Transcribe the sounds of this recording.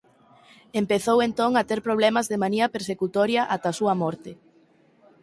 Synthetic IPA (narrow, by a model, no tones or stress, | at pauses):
empeθowent̪oŋat̪eɾpɾoβlɛmɐzðemaniɐpeɾsekut̪ɔɾjɐʔat̪ɐasuɐmɔɾt̪e